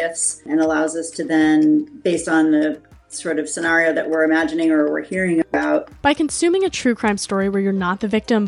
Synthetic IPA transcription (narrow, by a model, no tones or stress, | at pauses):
ɨsɨ̃nəlaʊzʌstʰɨðɨ̃nbeɪstn̩ðɨsɔɹɾʌv̥sɨnɛɹioʊðɨ̰ʔwɪɹɨmæd͡ʒɨnɪ̃ŋə˞wɪ̰ɹhiɹɪ̃ŋɨbaʊt̚b̥aɪkɨ̃n̩sʉ̃mɪ̃ŋɨtʰɹ̥ʉkʰɹ̥ãɪ̃mstɔɹiwə˞jə˞nət̪̚ðɨvɪk̚tə̃m